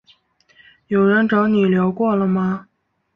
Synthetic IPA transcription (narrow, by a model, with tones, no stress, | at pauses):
jo˨˩ʊɻə˧˥nʈ͡ʂɑ˧˥ʊni˨˩ljo˧˥ʊkwɔ˥˩lə˩mɐ˨